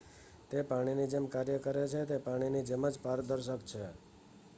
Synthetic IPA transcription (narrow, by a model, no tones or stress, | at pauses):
t̪epaɽ̃inid͡ʒemkaɾjəkəɾet͡ʃʰet̪epaɽ̃inid͡ʒeməd͡ʒpaɾd̪əɾʃəkt͡ʃʰe